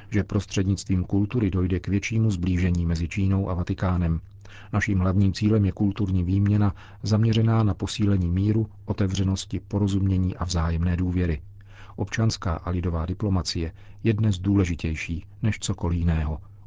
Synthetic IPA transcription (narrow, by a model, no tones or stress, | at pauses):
ʒɛpɾo̞st̪r̝̥ɛdɲɪt͡st̪viːmkult̪uɾɪdo̞jdɛkvjɛt͡ʃiːmuzbliːʒɛɲiːmɛzɪt͡ʃiːnowʔavat̪ɪkaːnɛm | naʃiːmɦlavɲiːmt͡siːlɛmjɛkult̪uɾɲiːviːmɲɛna | zamɲɛrɛnaːnapo̞siːlɛɲiːmiːɾuʔo̞t̪ɛvr̝ɛno̞scɪpo̞ɾo̞zumɲɛɲiːʔavzaːjɛmnɛːduːvjɛɾɪ | ʔo̞pt͡ʃanska̰ːʔalɪdo̞vaːdɪplo̞mat͡sɪjɛ | jɛdnɛzduːlɛʒɪcɛjʃiː | nɛʃt͡so̞ko̞lɪjɪnɛːɦo